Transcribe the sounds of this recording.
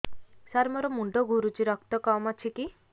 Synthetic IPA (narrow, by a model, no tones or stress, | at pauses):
saɾmɔɾɔmuɳɖɔɡuɾut͡ʃiɾɔkt̪ɔkɔmat͡ʃʰiki